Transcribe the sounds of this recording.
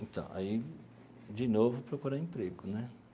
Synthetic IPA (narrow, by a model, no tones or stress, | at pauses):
ẽt̪ɐ̰̃w̃a̰i | d͡ʒɪnovʊpɾokuɾaẽpɾeɡʊnɛ